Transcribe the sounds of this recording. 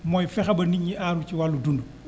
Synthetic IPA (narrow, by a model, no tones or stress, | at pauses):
mɔjfɛxɐbɐniɲːiʔaɾut͡ʃiwalːudundu